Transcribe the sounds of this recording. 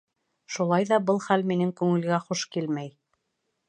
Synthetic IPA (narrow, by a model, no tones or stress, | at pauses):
ʃulˠɑjðɑbɤlˠχælminɘŋkʉŋɘ̆lɡæχuʃkilmæj